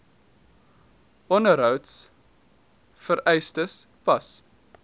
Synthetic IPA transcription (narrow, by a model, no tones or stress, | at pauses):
ʔɔnəɾɦœwts | fəɾɛjstəs | pɐs